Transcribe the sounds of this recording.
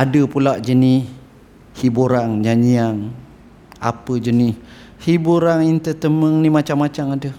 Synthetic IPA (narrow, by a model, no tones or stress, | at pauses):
adəpulaʔd͡ʒənɪh | hibuɾaŋd͡ʒaɲiaŋ | a̰pəd͡ʒənɪh | hibuɾaŋint̪ət̪əməŋnimat͡ʃamːat͡ʃamadə